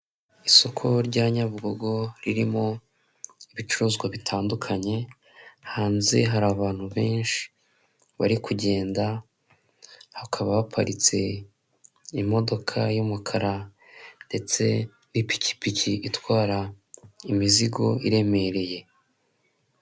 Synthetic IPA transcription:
iso̞kʰoɾɟaɲaβɡo̞ɡo̞ɾiɾimo̞ | iβit͡ʃuɾuːzɡwaβitʰaːndukʰaɲe̞ | haːnzeɦaɾaːβaːn̥huβe̞ːnʃi̥ | βa̰ɾikuɟe̞ːnda | hakʰaβaβapʰaɾit͡se̞ | imo̞do̞kʰajumukʰaɾa | nde̞t͡se̞ | nipi̥ci̥picʰiitwaːɾa | imiziɡo̞iɾe̞me̞ɾe̞je̞

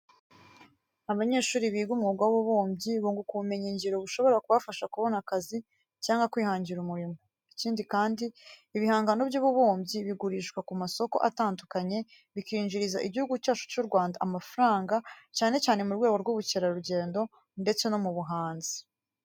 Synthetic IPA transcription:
aβaɲe̞ːʃuːɾiβiːɡumŋuɡawβuβoːmbɟiβuːŋɡukuβume̞ɲiɲɟiɾo̞βuʃo̞βo̞ɾakuβafaʃakuβo̞nakazi | caːŋɡwakwiːhaːɲɟiɾumuɾimo | iciːndikaːndiːβihaːŋɡano̞bjuːβuβoːmbɟiβiɡuɾiːʃkwakumaso̞ko̞̰ʔataːndukaɲe̞ | βikiːɲd͡ʒiɾizaʔiɟihuɡucaːt͡ʃu̥t͡ʃuɾɡwaːndaʔamafaɾaːŋɡacaːne̞t͡ʃaːne̞muɾɡwe̞ːɡoɾɡuβuceɾaɾuɟe̞ːndo̞ | nde̞t͡se̞no̞muβuɦaːnzi̥

